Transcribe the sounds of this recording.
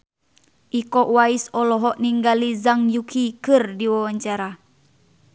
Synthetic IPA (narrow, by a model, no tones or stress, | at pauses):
ʔikɔʔwaisɔlɔɦɔʔniŋɡalizaŋjukʰikɨrdiwawaɲt͡ʃaɾa